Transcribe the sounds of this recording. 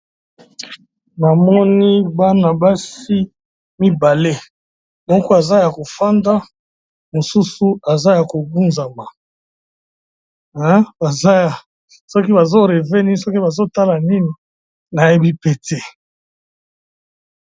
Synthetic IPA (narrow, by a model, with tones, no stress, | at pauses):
na˨mɔ˦ni˦ba˦na˨ba˦si˦ | mi˦ba˨le˦ | mɔ˦kɔ˦a˨za˦ja˨ko˨fa˦nda˦ | mo˨su˦su˦a˨za˦ja˨ko˨bu˦nza˨ma˨ | ɛ˦ba˨za˦ja˨ | sɔ˦ki˦ba˨zo˦ʁe˨ve˦ni˦n˦sɔ˦ki˦ba˨zo˦ta˦la˨ni˦ni˨ | na˨je˦bi˦pe˦te˦